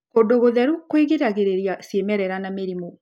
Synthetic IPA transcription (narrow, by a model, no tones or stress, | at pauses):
kondoɣoðɛɾukwiɣeɾaɣeɾeɾjasiemɛɾɛɾanameɾimo